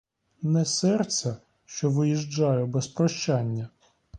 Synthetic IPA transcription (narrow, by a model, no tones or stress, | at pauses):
nɛsɛrtsʲɐ | ʃt͡ʃɔʋɪjiʒd͡ʒɑjɛbɛspɾɔʃt͡ʃɑnʲːɐ